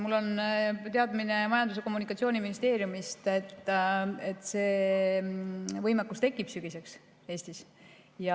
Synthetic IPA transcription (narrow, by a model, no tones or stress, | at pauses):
mulːo̞nt̪e̞ɑd̪mine̞mɑjɑnd̪use̞ko̞mːunikːˑɑt̪sio̞ːniminist̪e̞ːɾjumist̪et̪ːet̪ːˑse̞ː | vɤjmekːˑust̪e̞kːˑib̥syɡ̥ise̞ks | e̞ːsʲt̪is | jɑ